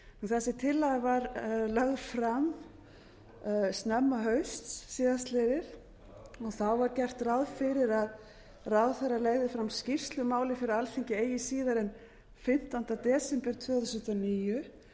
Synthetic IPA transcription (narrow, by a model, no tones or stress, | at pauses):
uθɛsɪt̪ʰɪlːaɣavaɾlaɣðfɾam | st̪nɛmːaɦœɥst̪sːiːðas̬t̪lejðɪɾ̥ | ɔɣθawvaɾcɛr̥t̪rawðfɪɾɪɾað | rawðθɛrːaleɣðɪfɾamscir̥st̪lʏmaːwlɪfɪɾɪɾalθiɲcɪeːjɪsiːðaɾɛn | fɪn̥t̪ant̪at̪ɛːsɪmpɛɾ̥t̪ʰvœːaðθsʏ̥t̪aniːjʏ